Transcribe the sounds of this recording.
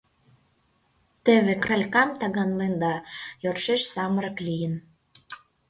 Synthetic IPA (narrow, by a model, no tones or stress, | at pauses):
t̪ĕβekrɑlʲkɑmt̪ɑɣɑnlend̪ɑjorʃeʃsɑməɾə̆klʲijə̆n